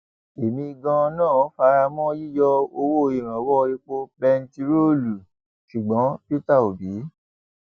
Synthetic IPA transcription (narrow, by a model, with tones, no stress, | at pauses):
e˨mĩ˧ɡã˧nãː˦˨˦fa˧ɾa˧mɔ̃˦ji˦jɔ˧o˧wo˦˨˧i˨ɾ̃ã˨wɔ˦˧ɾi˦k͡po˧bɛ˧n˦ti˧ɾo˦lu˨ | ʃu˨ɡ͡bɔ̃˨˦pi˦ta˦˨o˨bi˨˦